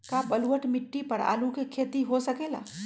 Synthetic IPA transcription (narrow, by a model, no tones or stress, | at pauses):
kabɐlwəʈmɪʈːipɐɾa̰ːlukekʰeːt̪iɦosɐkeːla̰ː